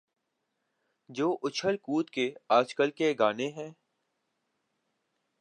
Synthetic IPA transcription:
d͡ʒoːʔʊt͡ʃʰəlkuːt̪keaːd͡ʒkəlkeɡaːneɦɛ̃ː

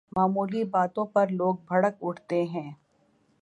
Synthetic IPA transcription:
maːmuːlibaːt̪õpɐɾloːɡ̚bʱɐɽəkʊʈʰt̪eɦɛ̃ː

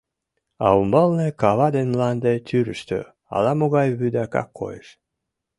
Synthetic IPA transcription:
ɑumbɤlnekɑβɑd̪enlɑnd̪et̪ʲyɾəʃt̪ø̰ | ɑ̰lɑmoɣɑjβyd̪ækɑ̰kʰːo̰jeʃ

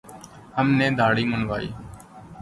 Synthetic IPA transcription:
ɦəmneːd̪ʱaːɽiːmənʋaːḭː

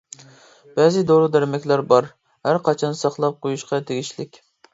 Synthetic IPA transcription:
b̥ɛzɪd̪oɾɨd̪æɾmɛkʲlæɾbɑɾ | hæɾqʰɑt͡ʃʰɑnsɑχlˠɑp̚qʰojuʃqʰɑt̪ʰeɡʲiʃlɪkʲ

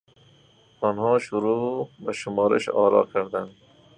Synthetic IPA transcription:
ɔnhɑːʃʊɾubaʃʊmɑːɾɪ̰ʃɑ̰ːɾɑ̰ːkʰaɾd̪an

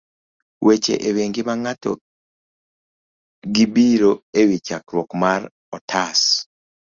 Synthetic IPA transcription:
wʔet͡ʃḛʔeβeŋɡiβaŋato̰ | ɡibiɾoewit͡ʃakɾwokmaɾ | ɔtʰas

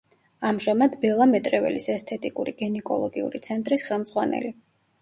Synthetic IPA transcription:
amʒamad̪bɛlˠamɛt̪ʼɾɛvɛ̰lisɛst̪ʰɛt̪ʼikʼuɾiɡ̥ɛnɛkʼɔlˠɔɡiṵɾit̪sʰɛnt̪ʼɾisχɛlˠmd̪zʁwanɛ̰li

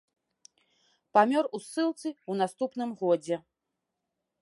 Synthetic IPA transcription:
pamʲɔrusːɨlˠt̪sɨunast̪upnɨmɣɔd͡zʲɛ

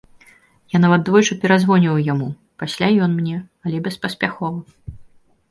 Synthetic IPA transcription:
janavɐt̪̚d̪vɔjt͡ʂɨpʲɛɾazvɔnʲiɐwjamu | pasʲlʲajɔnmnʲɛɐlʲɛbʲɛspɐsʲpʲaxɔvɐ

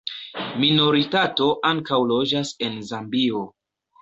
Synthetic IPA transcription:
mino̞ɾitato̞ʔaŋkawlo̞d͡ʒase̞nzambio̞

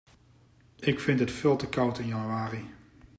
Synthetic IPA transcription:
ɪkfɪntɦətfɪːlˠtəkʌwtɪnjɑnyaːri

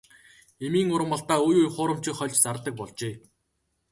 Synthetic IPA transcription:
emiːŋʊɾə̆mpɔɬt̪aːujujχʊːɾə̆m̥t͡ɕĭkχɔɮʲt͡ɕt͡sart̪ə̆k̚pɔɮt͡ɕeː

